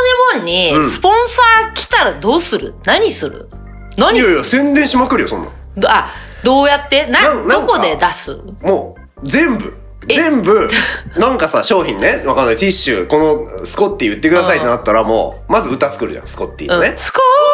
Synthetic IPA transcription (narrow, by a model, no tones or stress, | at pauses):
ɲemõɲ̟ːisɨ̥põ̞ɰ̃saːkʲi̥t̪aɾad̪o̞ːsɨɾɯ̟̰naɲ̟isɨɾɯ̰ | naɲioosẽ̞nd̪ẽɕimakɯɾɯjosõ̞nːã̰ | d̪a | d̪o̞ːjat̪ːe̞nãñnõŋko̞dd̪e̞d̪asɨ̰ | moː | zẽ̞mbɯ̟̰ | zẽ̞mbɯ̟nãŋkasaɕo̞ːçĩnːeβakanːajt̪iɕɨ̰ːko̞no̞sɨ̥ko̞t̪ːijɯ̟t̪ːe̞kɯ̟d̪asait̪enat̪ːaɾamo̰ː | mazɨɯ̟t̪at͡sɨ̥kɯ̟ɾɯ̟ʑã̰sɨ̥ko̞t̪ʲːḭːɯ̃nesɨ̥ko